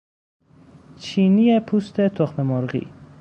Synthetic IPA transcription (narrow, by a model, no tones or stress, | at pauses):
t͡ʃʰinijepʰust̪ʰet̪ʰoχmemoɾɣḭ